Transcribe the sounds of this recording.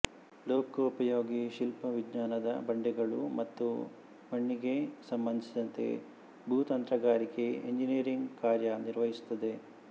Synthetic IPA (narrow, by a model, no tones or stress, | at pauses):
loːkɐupɐjoːɡiʃilpɐʋid̪ɲaːnɐd̪ɐbɐɳɖɛɡɐɭumɐt̪ːu | mɐɳːiɡe̞sɐmbɐnd̪ʱisid̪ɐnt̪e̞̰ | bʱut̪ɐnt̪ɾɐɡaːɾike̞eɲd͡ʒiniːɾiŋɡkaːɾjɐniɾʋɐɦisu̥t̪ːɐd̪e̞